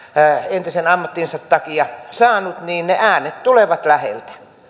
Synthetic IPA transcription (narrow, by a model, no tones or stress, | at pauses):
ent̪isenɑmːɑt̪ːinsɑt̪t̪ɑkiɑsɑːnut̪niːnneʔæːnet̪t̪uleʋɑt̪læhḛlt̪æ̥